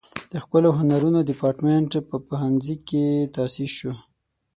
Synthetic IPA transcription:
d̪̥əxpəloɦʊnaɾunodɪpɑɾʈmeɳʈpəpaɦanziket̪ɑsiʃu

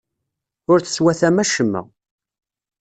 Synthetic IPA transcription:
ʊɾt͡sə̥swæθæmæʃəmːə̰

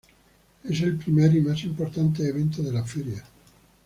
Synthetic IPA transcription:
ɛseilpɾimɛɾimɛsimport̪ant̪eːvɛnt̪od̪elafɛɾja

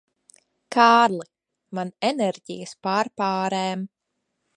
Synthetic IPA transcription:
kaːɾlˠi | manɛnɛɾɟḭjəspaːɾpaːɾɛːm

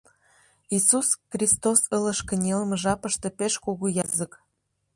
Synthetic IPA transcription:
isusxrʲist̪osələ̆ʃkə̆nʲelməʒɑpə̆ʃt̪ĕpeʃkoɣujɑzək

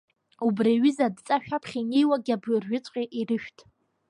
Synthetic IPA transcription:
ubraɥɪzadt͡sʼaʃᶣapʰχʲinejwaɡʲabɪrʒʊt͡sʼqʲʼeʔirɨʃᶣtʰʼ

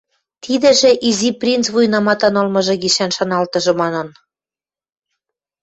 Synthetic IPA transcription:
t̪ʰid̪ɘ̆ʒĕʔiziprʲint͡sβujnɑmɑt̪ɑnɤlmɤ̆ʒɤ̆ɣiʃænʃɑnɑlt̪ɤ̆ʒɤ̆mɑnɤ̆n

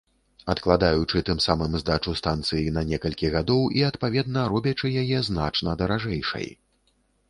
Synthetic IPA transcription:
ɐt̪klˠad̪ajut͡ʂɨt̪ɨmsamɨmzd̪at͡ʂust̪ant̪sɨjinɐnʲɛkɐlʲkʲiɣad̪ɔwiɐt̪pavʲɛd̪̚nɐɾɔbʲɐt͡ʂɨjajɛznat͡ʂnɐd̪ɐɾaʐɛjʂɐ̰j

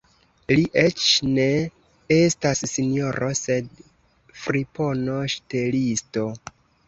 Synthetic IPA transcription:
liʔe̞t͡ʃne̞ | estasːinjo̞ɾʔose̞d̚ | fɾipo̞no̞ʃtelisto̞

